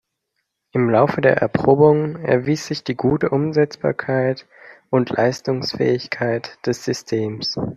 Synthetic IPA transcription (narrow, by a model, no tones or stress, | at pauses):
ʔɪmlaʊfədeːɐʔɛ̰ɐpʁ̥oːbʊŋɛ̰ɐviːsz̥ɪçd̥iːɡuːtəʔʊmzɛt͡sb̥a̰ːɐkʰaɪt | ʔʊntʰlʔa̰ɪstʊŋsfɛ̰ːɪçkʰaɪtd̥ɛsz̥ʏstʰeːms